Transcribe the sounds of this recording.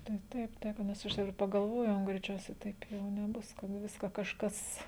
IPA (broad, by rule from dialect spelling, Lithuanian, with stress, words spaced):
tɐɪ ˈtɐɪp ˈtɐɪp nʲɛs ˈɐʃ jɛʊ ɪr pɐɡɐlˠˈʋoːjɛʊ ɡrʲɛɪˈt͡ʃʲɛʊsʲɛɪ ˈtɐɪp jɛʊ nʲɛˈbʊs kɐt ˈʋʲɪskɐ kɐʃˈkɐs